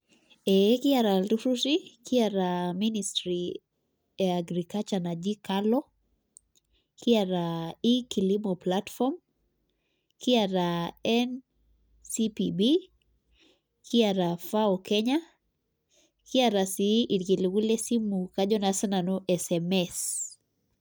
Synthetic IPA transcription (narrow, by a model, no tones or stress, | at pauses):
ɛkiaɾaltuɾusikiaɾaministɾi | aɡɾikat͡ʃanad͡ʒikalɔ | kiaɾaikilimɔplatfɔm | kiaɾaɛn | sipibi | kʰiaɾafaɔkɛɲa | kiaɾasiʔikiliwulesimukad͡ʒɔnasananuʔɛsɛmɛs